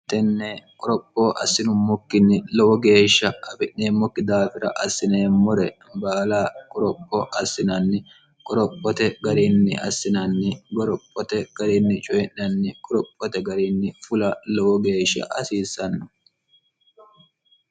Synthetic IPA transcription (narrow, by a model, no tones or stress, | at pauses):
t̪ɛnːɛkʼɔɾɔpʼːoːʔɐsːɪnʊmːɔkːɪnːɪlɔwɔɡe̞ːʃːɐɐbɪʔneːmːɔkːɪd̪aːfɪɾɐ̰ʔɐsːɪne̞ːmːɔɾɛ | baːlaːkʼɔɾɔpʼːɔʔɐsːɪnɐnːɪ | kʼɔɾɔpʼːɔt̪ɛɡɐɾɪnːɪ̰ʔɐ̰sːɪnɐnːɪɡɔɾɔpʼːɔt̪ɛɡ̥ɐɾɪnːɪt͡ʃʼɔjɛnːɐnːɪkʼɔɾɔpʼːɔt̪ɛɡɐɾɪnːɪfʊlɐlɔwɔɡe̞ːʃːɐ̰ʔɐsiːsːɐnːɔ